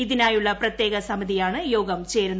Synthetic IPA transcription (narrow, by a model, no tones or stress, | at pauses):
iðinaːjuɭːɐprɐt̪je̞ːɡɐsɐmɐðijaːɳɨjo̞ːɡɐmt͡ɕe̞ːɾunː